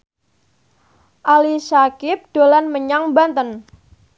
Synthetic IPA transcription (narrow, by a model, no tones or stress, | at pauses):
ʔalisakɪp̚ɖ̥o̤lanməɲaŋbant̪ən